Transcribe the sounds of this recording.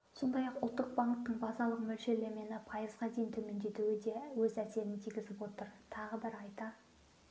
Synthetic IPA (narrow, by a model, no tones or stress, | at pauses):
so̞nd̪ɑjɑqʊlˠt̪ːəq̚bɑɴt̪ːəɴbɑzɑlˠəqmɵlʃe̞le̞me̞nɪpʰɑjəzʁɑd̪ejɪnt̪ʰɵme̞nd̪e̞t̪uwɪd̪e̞wɵzæse̞ɾɪnt̪ʰiɡʲɪzɪpwo̞t̪əɾt̪ʰɑʁəbɪɾɑjt̪ɑ